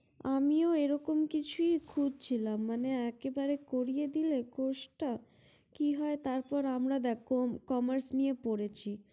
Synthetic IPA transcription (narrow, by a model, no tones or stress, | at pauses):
amioeɾɔkomkit͡ɕʰuikʰud͡ʑt͡ɕʰilamːaneɛkebaɾekoɾijed̪ilekoʃʈa | kiɦɔet̪aɾpɔɾamɾad̪ɛkomkɔmaɾsnijepoɾet͡ɕʰi